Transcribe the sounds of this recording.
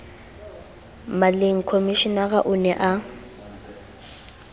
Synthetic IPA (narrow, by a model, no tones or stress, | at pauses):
maleŋ̩kʰomiʃinaɣaʔʊnɛʔa